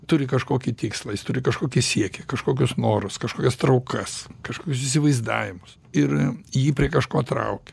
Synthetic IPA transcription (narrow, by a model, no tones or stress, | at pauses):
t̪ʊɾʲɪkɐʃkoːkʲɪt̪ʲiːkslˠɐjɪst̪ʊɾʲɪkɐʃkoːkʲɪsʲiɛkʲɛkɐʃkoːkʲʊsnoːɾʊskɐʃkoːkʲɛst̪ɾɐʊkɐskɐʃkoːkʲʊsɪs̬ʲɪʋɐɪzd̪ɑ̰ːʋʲɪmʊs | ɪrjiːpʲɾʲiɛkɐʃkoːt̪ɾɐ̰ʊkʲɛ̥